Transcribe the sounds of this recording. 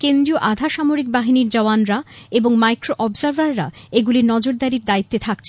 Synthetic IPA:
kend̪ɾioʔad̪ʱaʃamoɾik̚baɦiniɾd͡ʑaoanɾaeboŋmajkɾoʔɔbzaɾbaɾːa̰eɡuliɾnɔd͡ʑoɾd̪aɾiɾd̪ait̪ːet̪ʰakt͡ɕʰe

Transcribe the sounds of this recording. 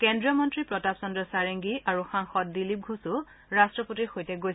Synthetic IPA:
kɛndɹijɔmɔntɹipɹɔtapsɔndɹɔsaɹeŋɡiʔaɹuxaŋxɔt̚dilip̚ɡʱusʊ | ɹastɹɔpotixojtɛɡoj

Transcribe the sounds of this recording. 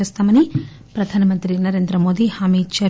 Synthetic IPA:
eːst̪aːmɐni | pɾɐd̪ʱaːnɐmɐnt̪ɾinɐɾe̞ːnd̪ɾɐmo̞ːd̪ihaːmiːd̪t͡ʃɐ

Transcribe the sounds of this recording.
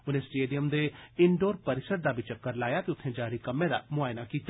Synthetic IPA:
ʊnẽːsʈeːɖijəmd̪eːɪɳɖoːɾpəɾɪsəɾ̚d̪aːbit͡ʃəkːəɾlaːjaːt̪eʊt̪ʰːẽːd͡ʒaːɾikəmːẽːd̪a̰ːmʊaːjnakiːt̪ː

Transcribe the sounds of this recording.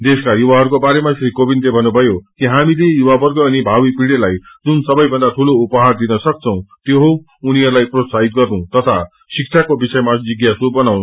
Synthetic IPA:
d̪eskajuwaɦʌɾukobaɾemasɾikobint̪ebʱʌnːubʱʌjokiɦamilejuwabʌrɡʌʌnibʱawipiɽelaj | d͡zunsʌbʌjbʱʌnd̪at̪ʰuloupʌɦard̪inʌsʌk̚t͡sʰʌ̃w̃t̪joɦo | uniɦʌɾulajprosait̪̚ɡʌrnũt̪ʌt̪ʰa | sik̚t͡sʰakobisʌjmad͡ziɡjasubʌnaw̃

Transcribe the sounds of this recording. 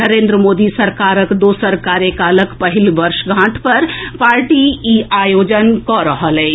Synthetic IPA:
nəɾend̪ɾəmod̪isəɾkaɾəkd̪osəɾkaɾjəkaləkpəɦilbəɾʃɡʱãʈpəɾpaɾʈiiajod͡ʒənkɔɾəɦəlɛ

